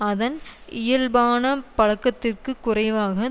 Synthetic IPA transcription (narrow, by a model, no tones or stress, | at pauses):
ɐðɐnɪjɐlbaːnɐpɐɻɐkːɐt̪ːɪrkɯkːʊrɐɪʋaːɣɐ